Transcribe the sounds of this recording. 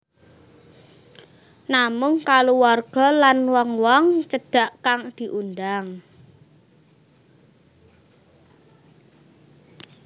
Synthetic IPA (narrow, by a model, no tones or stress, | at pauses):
namʊŋkaluwarɡ̥ɔ̤lanwɔŋwɔŋt͡ʃəɖ̥a̤ʔkaŋd̪̥i̤ʔund̪aŋ